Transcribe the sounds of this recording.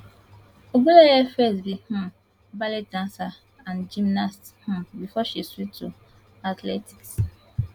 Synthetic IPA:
obulejefɛsbih̩ | balet̚dãnsa | ãnd͡ʒimnast | hʊ̃bifɔʃiswitu | atleti̥ks

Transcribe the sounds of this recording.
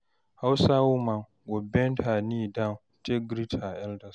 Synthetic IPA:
hawsawumaŋ | ɡɔbɛntaniːdaŋ | teɡɾitʰaʔɛldɐs

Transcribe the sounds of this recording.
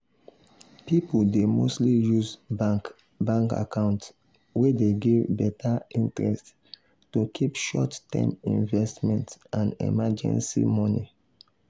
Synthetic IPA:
pipuldemostlijuzba | bãŋka̰kãʊ̃nt | wedeɡevbɛtʰaĩntɹɛst | tokʰipʃɔttɛ̰̃mĩnvɛstmɛ̃ntãndɛ̰mad͡ʒɛ̰̃nsḭmɔnḭ

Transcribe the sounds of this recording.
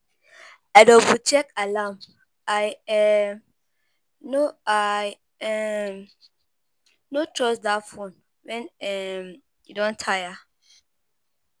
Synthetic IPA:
adɔ̃but͡ʃɛkalam | ajɛ | noaj | ɛ | notʰɹɔsdafɔ̃n | wɛ̃nɛm | idɔ̃ntʰaja

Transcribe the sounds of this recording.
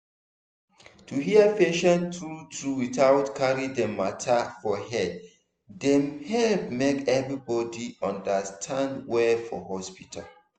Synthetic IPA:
tʰuɦiəfeʃɔ̃ntɹutʰɹuwiθawtkʰaɹĩdɛmatʰafɔhɛd | dɛ̃mhɛlp̚mekɛvɹibɔdiãndəstʰãndwɛfɔ̰ɦɔspitʰa̰l

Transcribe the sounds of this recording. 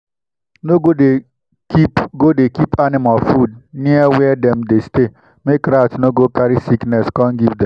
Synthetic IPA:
noɡode | ipɡodekipanɪmalfud̚niɛwɛdɛmdeste | mekɾaftnoɡokaɾisiknɛskɔ̃ŋɡivdɛ̃m

